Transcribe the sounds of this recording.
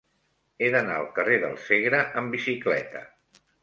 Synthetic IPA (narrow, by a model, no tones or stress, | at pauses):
eðəna̰ə̰lˠkəreðə̰lˠseɣɾəʔəmbisiklɛ̰t̪ə̰